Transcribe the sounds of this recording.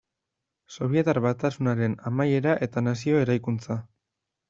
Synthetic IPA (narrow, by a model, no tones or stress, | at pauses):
so̞β̞je̞t̪aɾβat̪asunaɾe̞namaje̞ɾaʔe̞t̪anas̬io̞e̞ɾajkunt͡sa